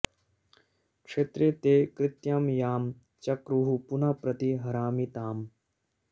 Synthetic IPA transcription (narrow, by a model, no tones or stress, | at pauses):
kʂeːt̪ɾet̪eːkɾɪt̪jamjaːm | t͡ʃɐkɾuɦupunɐpɾɐt̪iɦɐɾaːmit̪aːm